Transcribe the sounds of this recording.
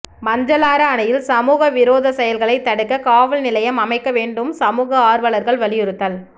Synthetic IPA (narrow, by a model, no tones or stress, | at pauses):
mɐɲd͡ʒɐlaːɾɐːnɐjɪlsɐmuːɣɐʋɪɾoːðɐsɐjɐlɣɐɭɐɪt̪ːɐɽɯkːɐkaːʋɐlnɪlɐjɐmɐmɐɪkːɐʋeːɳɖɯmsɐmuːɣɐaːɾʋɐɭɐɾɣɐɭʋɐɭɪjɔɾɯt̪ːɐl